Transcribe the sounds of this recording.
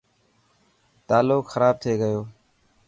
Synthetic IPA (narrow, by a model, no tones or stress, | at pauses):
t̪aːloːkxəɾaːb̚t̪ʰeːɡəjoː